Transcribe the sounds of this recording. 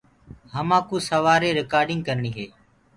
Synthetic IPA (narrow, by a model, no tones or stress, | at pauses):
ɦəmãːkũːsəʋaːɾeːɾɪkaːɾɖɪ̃ŋɡkəɾɳiːɦeː